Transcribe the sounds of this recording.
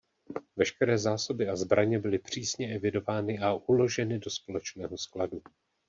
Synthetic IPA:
vɛʃkɛɾɛːzaːso̞bɪazbɾʔaɲɛbɪlɪpr̝̥iːsɲɛʔɛvɪdo̞vaːnɪʔaʔulo̞ʒɛnɪdo̞spo̞lɛt͡ʃnɛːɦo̞skladu

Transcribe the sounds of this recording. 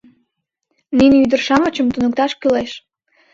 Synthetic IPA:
ninyd̪ərʃɑmə̆t͡ɕəmt̪unə̆k̚t̪ɑʃkyleʃ

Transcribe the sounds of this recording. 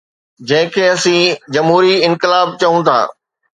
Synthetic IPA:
d͡ʑɐ̃ɦɪ̃kʰeːɐsĩːd͡ʑɐmɦuːɾiɪ̃nkɪlaːb̚t͡ɕɐũt̪ʰa̰ː

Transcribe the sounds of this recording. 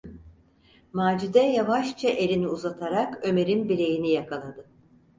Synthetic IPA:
maːd͡ʒid̪ɛjavaʃt͡ʃʰaʔe̞lʲiniuzat̪ʰaɾakø̞me̞ɾinbilʲe̞jinijakʰalˠad̪ɯ

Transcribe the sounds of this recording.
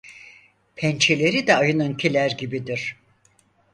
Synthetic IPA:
pʰɛnt͡ʃʰelʲe̞ɾid̪ɛajɯnɯncʰilʲæɾɟibid̪iɾ̥

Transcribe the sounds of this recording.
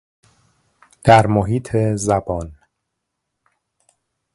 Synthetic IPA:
d̪̥æɾmoɦiːt̪ʰezæbɒːn

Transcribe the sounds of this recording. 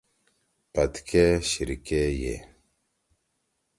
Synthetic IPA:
pɐt̪kʰeɕiɾikejḛ

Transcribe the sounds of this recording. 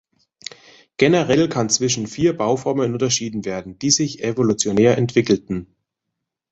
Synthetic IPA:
ɡ̥enəʁɛlkʰant͡sv̥ɪʃn̩fiːɐbaʊfɔɐmənʊntɐʃiːdn̩veːɐdn̩d̥iːzɪçevolut͡sjoneːɐʔɛntv̥ɪkl̩tn̩

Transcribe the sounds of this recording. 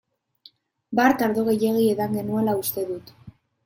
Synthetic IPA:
baɾt̪aɾðoɣe̞je̞ɣieðaŋɡe̞nuelaust̪e̞ðut̪

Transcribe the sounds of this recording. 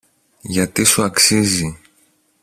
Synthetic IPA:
ʝɐt̪isuɐksizi

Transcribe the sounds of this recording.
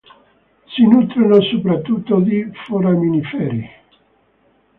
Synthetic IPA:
sinut̪ɾinosupɾat̪ːut̪ːod̪ifoɾaminifɛɾi

